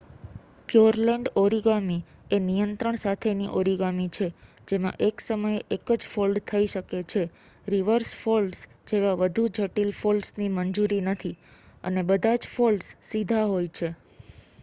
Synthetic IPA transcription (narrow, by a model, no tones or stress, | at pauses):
pjuɾləɳɖoɾiɡami | enijənt̪ɾəɳ̃sat̪ʰeniʔoɾiɡamit͡ʃʰed͡ʒemã̰ʔeksəməjeʔekəd͡ʒfolɖt̪ʰəiʃəket͡ʃʰe | ɾiʋəɾsfolɖs | d͡ʒeʋaʋəd̪ʱud͡ʒəʈilfolɖsniməɲd͡ʒuɾinət̪ʰiə̰nebəd̪ʱãd͡ʒfolɖsːid̪ʱaɦojt͡ʃʰe